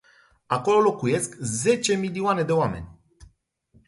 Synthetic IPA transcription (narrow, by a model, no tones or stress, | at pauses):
ako̞lo̞lo̞kuje̞skze̞t͡ʃe̞milioane̞d̪e̞oame̞̰nʲ